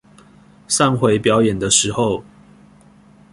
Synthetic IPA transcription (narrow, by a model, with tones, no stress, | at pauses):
sa˥˨ŋxwe˨˦ɪpjɑ˨˦ʊjɛ˨˩nd̪ə˦ʂɻ̩˨˦xo˥˨ʊ